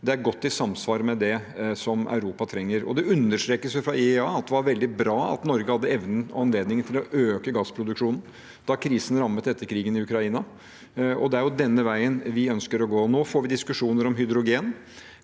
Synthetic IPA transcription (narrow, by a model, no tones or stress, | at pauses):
d̪ɛæɾɡɔt̪ːɪsɑmsʋɑːɾmɛd̪ɛsɔmœ̰ʉɾuːpɑt̪ʰɾɛŋːəɾɔ̰d̪ɛʉnːəʂt̪ɾeːkəsjʊfɾɑɪɑːɑt̪̚d̪ɛʋɑɾʋɛld̪ɪbɾɑːɑ̰t̪nɔɾɡəhɑd̪ːəɛʋnən̩ɔɑnleːd̪nɪŋənt̪ʰɪlɔʔøːkəɡɑspʰɾʊd̪ʉkʂuːnn̩ | d̪̥ɑkʰɾiːsən̩ɾɑmːət̪ɛt̪ːəɾkʰɾiːɡənɪʉkɾɑiːnɑ | ɔ̰d̪ɛæɾjʊd̪ɛnːəʋæɪənʋɪœnskəɾɔɡoːnoːfoːɾʋɪd̪ɪskʉʂuːnəɾɔmɦʏd̪ɾʊɡeːn